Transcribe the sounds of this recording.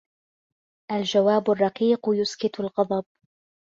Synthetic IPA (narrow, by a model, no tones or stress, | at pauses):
ʔald͡ʒawaːbʊrˤːɑqiːqjʊskɪt̪alɣɑd̪ˤɑb̚